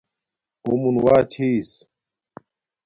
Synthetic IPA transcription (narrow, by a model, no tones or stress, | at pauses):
umunwaːt͡ɕʰiːs